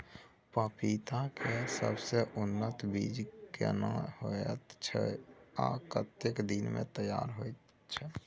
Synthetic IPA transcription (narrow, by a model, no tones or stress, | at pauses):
pəpʰit̪ãkesə̰bseʔʊnːət̪bid͡ʒkḛna̰hot̪t͡ʃʰɛ̰a̰kət̪jekd̪inmḛ̃t̪əja̰ːɾɦoet̪ | t͡ʃʰɛ